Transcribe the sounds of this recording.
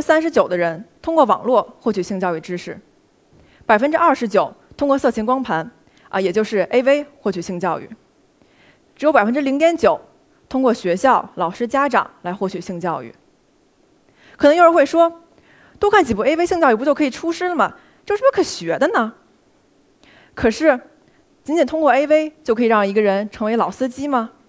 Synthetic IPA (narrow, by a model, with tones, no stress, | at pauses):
ɻ̩˥sa˥nʂɻ̩˧˥t͡ɕjo˨˩ʊd̪ə˦ɻə˧˥nt̪ʰʊ˥ŋkwɔ˥˩wɑ̰˨˩ŋlwɔ˥˩xwɔ˥˩t͡ɕʰy˨˩ɕi˥˧ŋt͡ɕjɑ˥˧ʊy˥˩ʈ͡ʂɻ̩˥ʂɻ̩˥˩ | pa˨˩ɪfə˥nʈ͡ʂɻ̩˥ɐ˥˩ʂɻ̩˧˥t͡ɕjo˨˩ʊt̪ʰʊ˥ŋkwɔ˥˧sɤ˥˩t͡ɕʰi˧˥nkwɑ˥ŋpʰa˧˥n | ə˧jɛ˨˩t͡ɕjo˥˧ʊʂɻ̩˥˩e˥ɪʋe˥ɪxwɔ˥˩t͡ɕʰy˨˩ɕi˥˧ŋt͡ɕjɑ˥˧ʊy̰˥˩ | ʈ͡ʂɻ̩˧˥jo˧˥pa˨˩fə˥nʈ͡ʂɻ̩˥li˧˥ŋt̪jɛ˧˥nt͡ɕjo˨˩˦ʊ | t̪ʰʊ˥ŋkwɔ˥˩ɕɥɛ˧˥ɕjɑ˥˩ʊlɑ˨˩ʊʂɻ̩˥t͡ɕja˥ʈ͡ʂɑ̰˨˩˦ŋla˧˥ɪxwɔ˥˩t͡ɕʰy˨˩ɕi˥˧ŋt͡ɕjɑ˥˧ʊy̰˥˩ | kʰn˧˥ŋ˥˧˥we˥˩ɪʂwɔ˥ | t̪wo˥kʰa˥˩nt͡ɕi˨˩pu˥˩e˥ɪ˥e˥ɪɕi˥˧ŋt͡ɕɑ˥˧ʊy˥˩pt͡ɕo˥˩kʰɤ˥i˨˩ʈ͡ʂʰu˥ʂɻ̩˥lə˨mɐ˩ | t͡ɕjo˥˧ʊʂɻ̩˥kʰɤ˨˩ɕɥɛ˧˥d̪ə˧nə˨ | kʰɤ˨˩ʂɻ̩˥˩ | t͡ɕi˧˥nt͡ɕɛ˨˩nt̪ʰʊ˥ŋkwɔ˥˧e˥ɪwe˥ɪt͡ɕjkʰɤ˧˥i˨˩ɻɑ˥˩ŋi˧˥ɡə˧ɻə˧˥nʈ͡ʂʰɤ˧˥ŋwe˧˥ɪlɑ˨˩ʊsɹ̩˥t͡ɕi˥mɐ˨